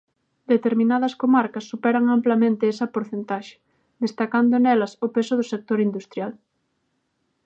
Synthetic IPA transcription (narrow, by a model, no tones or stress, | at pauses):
d̪et̪eɾmĩnaðɐskomaɾkɐsːupɛɾɐŋamplɐmẽnt̪ɪesɐpoɾθent̪aʃɪ̥ | d̪est̪akand̪ʊnɛlɐsʊpesʊðʊsek̚t̪oɾind̪ust̪ɾjal